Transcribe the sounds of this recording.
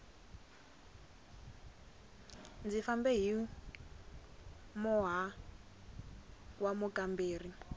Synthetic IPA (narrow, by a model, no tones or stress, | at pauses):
nd͡zifambɛɦi | mɔɦa | wamukambeːri